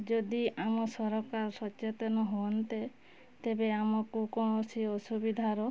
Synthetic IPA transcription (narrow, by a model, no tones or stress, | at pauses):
d͡ʒɔd̪iamɔsɔɾɔkaɾɔsɔt͡ʃet̪ɔnɔɦoɔnt̪e | t̪ebeamɔkukɔɽ̃ɔsiɔsubid̪ʱaɾɔ